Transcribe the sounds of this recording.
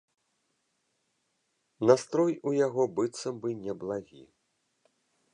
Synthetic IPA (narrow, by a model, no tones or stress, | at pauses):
nast̪ɾɔjujaɣɔbɨt̪sːɐmbɨnʲɛblˠaɣʲḭ